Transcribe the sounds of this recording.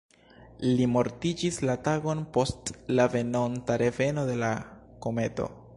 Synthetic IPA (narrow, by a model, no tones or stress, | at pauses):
limo̞ɾtid͡ʒislataɡo̞npo̞stlave̞no̞ntaɾe̞ve̞no̞de̞lako̞me̞to̞̰